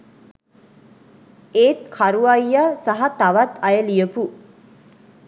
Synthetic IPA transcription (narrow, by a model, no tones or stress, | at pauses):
eːt̪kʰaɾuajːasaɦat̪aʋat̪ajəlijəpu